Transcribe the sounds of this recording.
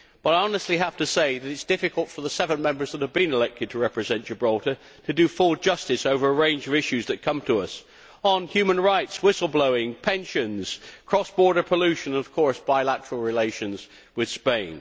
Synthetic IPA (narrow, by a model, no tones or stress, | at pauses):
b̥ʌɾaɪɑnəstˡliɦæftɨseɪðɨɾɨtsd̥ɪfɨkəlˠtfə˞ðəsɛvə̃nmɛ̃mbə˞zðət̚həvbɨ̃nɨlɛk̚tʰɨd̚tʰəɹɛpɹɨzɛ̃nt͡ʃə˞bɹɔlɾə˞ | ɾɨdɨfʊlˠd͡ʒʌstɨsoʊvə˞əɹẽɪ̃nd͡ʒʌvɪʃʉzðɨt̚kʰʌ̃mtʰəʌs | ən̩hjʉmə̃nɹaɪtswɪsl̩ˠbloʊɪ̃ŋpʰɛ̃nʃɨ̃nz̥kʰɹ̥ɔsb̥ɔɹɾə˞pʰəlʉʃɨ̃nə̃nʌv̥kʰɔɹsb̥aɪlætə˞l̩ˠɹɪleɪʃɨ̃nz̥ | wɨð̥spẽɪ̃n